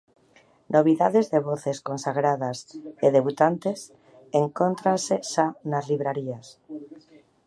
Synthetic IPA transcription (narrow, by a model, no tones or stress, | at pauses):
nʔoβiðað̞ezðeβ̞oθeskonsaɣ̞ɾað̞aseðeβut̪ant̪es | eŋkont̪ɾanseʃanazliβɾaɾias